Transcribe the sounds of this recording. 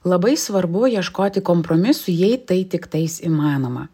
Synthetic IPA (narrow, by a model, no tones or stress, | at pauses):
lˠɐbɐɪsʋɐɾbʊjiɛʃkoːt̪ʲɪkompɾomʲɪsʊjɛɪt̪ɐɪt̪ʲɪkt̪ɐɪsimɑːnoːmɐ